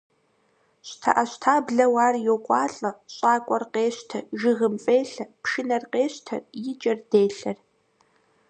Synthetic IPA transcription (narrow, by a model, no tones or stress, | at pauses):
ɕtʰɐ̰ʔɐɕtʰaːbɮɐwaːrjokʷʼɑːɬʼɐɕʼaːkʷʼɔrqeːɕtʰɐʒɪʁɨmfʼeːɬɐpʃɪnɐrqeːɕtʰɐ̰rjɪd͡ʒʼɐrdeːɬɐr